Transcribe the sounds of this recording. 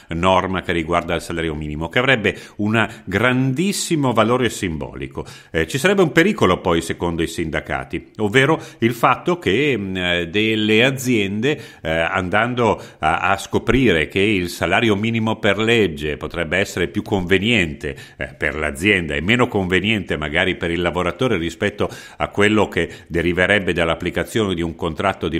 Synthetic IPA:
nɔrmakerːiɡward̪ailsalaːɾjomiːnimokeavɾɛbːeunaɡɾand̪isːimovaloːɾesimbɔ̰ːlḭko | t͡ʃisaɾɛbːeumpeɾiːkolopɔjsekond̪oisind̪aka̰ːt̪iovːeːɾoilfat̪ːoke | d̪elːead̪zːjɛnd̪e | a̰nd̪and̪oaa̰skopɾiːɾekeilsalaːɾjomiːnimoperled͡ʒːepot̪ɾɛbːeɛsːeɾepjukʰːoɱvenjɛnt̪epḛrla̰d̪zːjɛnd̪a̰ɛmːeːnokoɱvenjɛnt̪emaɡaːɾipeɾilːavoɾat̪oːɾeɾispɛt̪ːo | a̰kːwelːoked̪eɾiveɾɛbːed̪alːapːlikat̪sːjoːned̪iuŋkont̪ɾat̪ːod̪i

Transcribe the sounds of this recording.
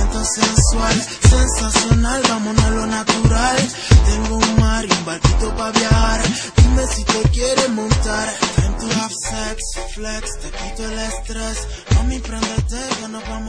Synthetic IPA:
nt̪osenswal | sensasjonalbamonelonat̪uɾal | t̪eŋɡouŋmaɾiumbaɾkit̪opaβjaxaɾ | t̪umesit̪ekjeɾemõnt̪aɾt̪ɾent̪uafseksflekst̪ekit̪oelest̪ɾes | nomempɾend̪et̪ekenoβam

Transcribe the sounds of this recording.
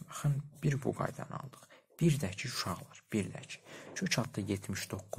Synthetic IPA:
ɑχɯnbiɾbuɡɑ̰jd̪ɑ̰nɑ̰lˠd̪ɯ̥χ | b̥iɾd̪æt͡ʃʰiuʃɑʁlˠɑɾb̥iɾd̪æ̰t͡ʃʰi̥t͡ʃʰøt͡ʃʰɑt̪d̪ɑjet̪ʰmiʃd̪o̞kːu

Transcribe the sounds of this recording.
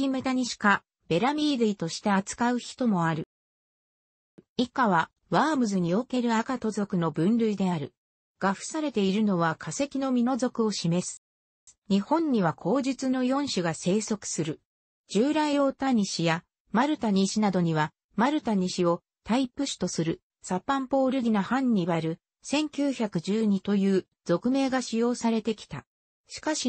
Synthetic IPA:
imet̪aɲ̟iɕi̥ka | b̥e̞ɾamʲiːd̪ɯit̪o̞ɕi̥t̪aat͡sɨ̥kaɯ̟çi̥t̪o̞mo̞aɾɯ̟ | ikaβa | βaːmɯ̟zɨɲ̟io̞ke̞ɾɯ̟akat̪o̞zo̞kɯ̟no̞bɯ̟̃nɾɯ̟id̪e̞aɾɯ̟ | ɡ̥aɸɯ̟̥saɾe̞t̪e̞iɾɯ̟no̞βakʰase̞kʲino̞mʲino̞zo̞kɯ̟o̞ɕime̞sɨ̥ | ɲ̟ihõ̞ɲ̟ːiβakʰo̞ːd͡ʑit͡sɨno̞jõ̞ɰ̃ɕɨɡase̞ːso̞kɯ̟̥sɨɾɯ̟ | d͡ʑɨːɾaijo̞ːt̪aɲ̟iɕija | maɾɯ̟t̪aɲ̟iɕinad̪o̞ɲ̟iβa | maɾɯ̟t̪aɲ̟iɕio̞ | t̪aipːɯ̟ɕi̥t̪o̞sɨɾɯ̟ | sapːãmpo̞ːɾɯd̪ʲinahãɲ̟ːiβaɾɯ̟ | sẽ̞ŋkʲɨːçakɯ̟ʑɨːɲ̟it̪o̞jɯː | z̥o̞kɯ̟me̞ːɡaɕijo̞ːsaɾe̞t̪e̞kʲi̥t̪a̰ | ɕi̥kaɕi

